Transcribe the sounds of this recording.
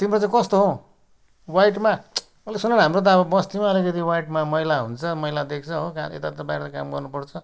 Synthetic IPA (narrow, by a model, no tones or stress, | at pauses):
t̪imɾot͡sãĩkʌst̪oɦo | wajʈma | mʌlesunʌnɦamɾot̪̬ʌʌbʌbʌst̪imaʌlikʌt̪̬iwaiʈmamʌɦilaɦunt͡sʰʌmʌɦilad̪ek̚ʰt͡sʰʌɦoka̰ḛt̪at̪ʌbajɾet̪akamɡʌrnupʌrt͡sʰʌ